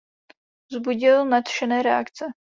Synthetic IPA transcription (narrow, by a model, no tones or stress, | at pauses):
zbuɟɪlnat̪ʃɛnɛːɾɛa̰kt͡sɛ